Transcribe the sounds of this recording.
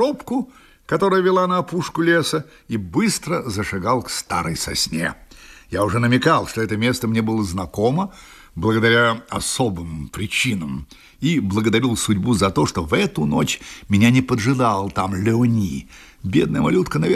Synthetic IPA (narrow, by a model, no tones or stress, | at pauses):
opkʊ | kɐt̪o̞ɾəjəvʲɪlˠanɐːpuʂkʊlʲesə | ibɨst̪ɾəzəʂɨɡalˠkst̪a̰ɾəjsɐ̰sʲnʲḛjaʊʐɛnəmʲɪkalˠʂt̪oɛt̪əmʲe̞st̪əmnʲebɨlˠəznɐkomə | blˠəɡəd̪ɐɾʲaɐsobɨmpɾʲɪt͡ɕinəm | iblˠəɡəd̪ɐɾʲilˠsʊdʲbuzɐt̪o̞ʂt̪ovɛt̪ʊnot͡ɕmʲɪnʲanʲɪpəd̪ʐɨd̪alˠət̪amlʲɪonʲi | bʲed̪nəjəmɐ̰lʲut̪kənɐ